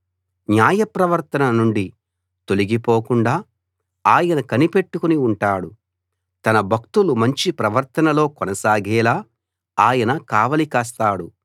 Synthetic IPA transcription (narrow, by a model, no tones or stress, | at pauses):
njaːjɐpɾɐʋɐɾt̪ɐnɐnuɳɖi | t̪oliɡipoːkuɳɖaː | aːjɐnɐkɐnipe̞ʈːukuniuɳʈaːɽu | t̪ɐnɐbʱɐk̚t̪ulumɐɲt͡ʃipɾɐʋɐɾt̪ɐnɐlo̞ːkɔnɐsaːɡʱɛːlaː | aːjɐnɐkaːʋɐlikaːs̬t̪aːɽu